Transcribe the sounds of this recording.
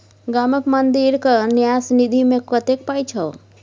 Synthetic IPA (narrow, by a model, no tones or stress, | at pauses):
ɡaməkmənd̪iɾkənjasnid̪ʱimẽkət̪ek̚pajt͡ʃʰə